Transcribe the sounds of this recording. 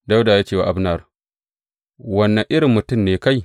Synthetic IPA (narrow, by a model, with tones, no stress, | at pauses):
da˦wdaː˨jaː˦t͡ʃeː˦˨wa̰˨ʔa˦bnɐ˦˨r | wɐ˦nːɐ˨ŋʔɪ˦ɾɪ˨mːʊ˨tʊ˦mneː˨ka˦j